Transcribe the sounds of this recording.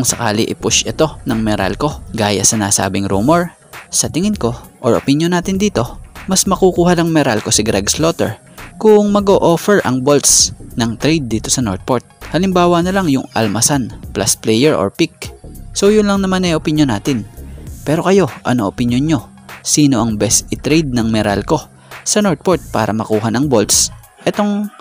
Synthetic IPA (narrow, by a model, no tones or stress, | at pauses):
ʊŋsɐka̰ːlɪʔɪpʊʃɛt̪o̞nɐŋmɛɾa̰lko̞ɡaːjɐ̰sɐnaːsa̰ːbɪŋɾṵːmoɹ | sɐt̪ɪŋɪnko̞ʔoɹʔo̰pɪnjonaːt̪ɪnd̪iːt̪o̞mɐsmɐkukuːhɐlɐŋmɛɾalko̞sɪɡɾɛɡslot̪ɛ̰ɹ | kʊŋmɐɡoːʔo̞ːfɛɹʔɐ̰ŋbolt̪snɐŋt̪ɾɛjd̪̚ːiːt̪o̞sɐnoɹt̪̚poɹt̪̚hɐlɪmbaːwɐnɐlaŋjʊŋɐ̰lmɐsanplʔa̰splɛjɛɹʔo̰ɹpik̚so̞wjʊnlɐŋnɐmanɐjʔopɪnjonːa̰ːt̪ɪnpɛːɾo̞kɐjo̞ʔɐ̰noʔopɪnjonɲo̞ | siːno̞ʔɐŋbɛsɪt̪ɾɛjd̪̚nɐŋmɛɾa̰lko̞ | sɐnoɹt̪̚poɹt̪̚pa̰ːɾɐ̰mɐkuːɦɐnɐŋbo̞lt̪s | ʔɛt̪o̞ŋ